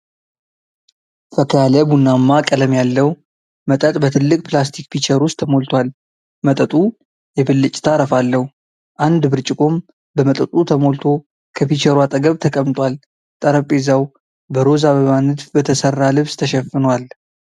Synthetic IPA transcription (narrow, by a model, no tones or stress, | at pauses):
fəkʰalɛbunːamːakʼələmjalːəw | mət̪ʼət̪ʼbət̪ʰɨlːɨkʼpʰlast̪ʰikpit͡ʃəɾʊst̪ʰːəmo̞lt̪ʰwal | mət̪ʼət̪ʼu | jɛbɨlːɨt͡ʃʼt̪ʰaɾəfalːəhu | ʔand̪bɨɾt͡ʃʼɪkʼo̞m | bəmət̪ʼət̪ʼut̪ʰəmo̞lt̪ʰo̞ | kʰəfit͡ʃəɾwat̪ʼəɡəβt̪ʰəkʼəmt̪ʼwal | t̪ʼəɾəpʼːezaw | bəɾo̞zaβəβanɨt̪fbət̪ʰəsərːalɨβst̪ʰəʃɛfɨnwal